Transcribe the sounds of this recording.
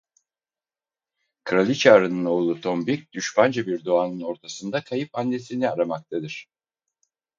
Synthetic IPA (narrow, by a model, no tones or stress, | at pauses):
kʰɯɾalʲit͡ʃʰaːɾɯnɯno̞ːlˠut̪ʰombic̚d̪̥yʃband͡ʒabiɾd̪o̞aːnɯno̞ɾt̪ʰasɯnd̪akʰajɯpanːe̞siniaɾamak̚t̪ʰad̪ɯɾ̥